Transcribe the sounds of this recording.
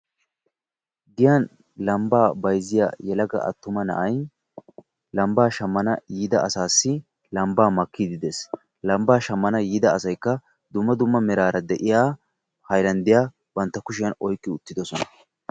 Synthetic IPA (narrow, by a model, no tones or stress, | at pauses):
ɡɪjɐn | lɐmbaːbɐjzːɪja̰ːjɛlɐɡɐ̰ʔɐ̰t̪ːʊmɐnɐ̰ʔɐj | lɐmbaːʃɐmːɐnɐjiːd̪ɐɐsaːsːɪ | lɐmbaːmɐkːid̪ɪd̪es | lɐmbaːʃɐmːɐnɐjiːd̪ɐːsɐjkːɐ | d̪ʊmːɐd̪ʊmːɐmɛɾaːɾɐd̪ɛʔɪjaː | hɐjɾɐnd̪ɪjaː | bɐnt̪ːɐkʊʃ̬ɪjɐnɔjkʼːɪʊt̪ːɪd̪ɔsɔnɐ̥